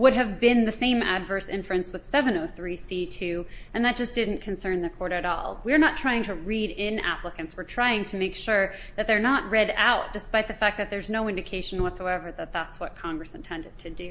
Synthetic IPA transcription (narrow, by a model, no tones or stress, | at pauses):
wʊɾɨvbɪ̃nðɨsẽɪ̃mæ̰dvɜ˞sɪ̃ɱfɹɨ̃nswɨð̥sɛvɨ̃noʊθɹisitʰʉɨ̃nðɨt̚d̥ʒ̥ʌsd̥ɪdⁿn̩kʰɨ̃n̩sɜ̃˞nðɨkʰɔɹɾɨɾɔ̰lˠwiə˞nətʰɹ̥aɪɪ̃ŋtʰɨɹiɾɪ̃næ̰pləkɨ̃nswɨɹtʰɹ̥aɪɪ̃ŋtʰɨmeɪkʃʊɹðɨt̪̚ðə˞nəʔ̚ɹɛɾa̰ʊt̚d̥ɨspaɪt̪̚ðɨfæk̚ðɨt̪̚ðə˞znoʊɪ̃ndɨkʰeɪʃn̩wʌtsoʊɛvə˞ðɨt̪̚ðætswʌt̚kʰɑ̃ŋɡɹɨsɨ̃ntʰɛ̃ndɨd̚tʰɨdʉ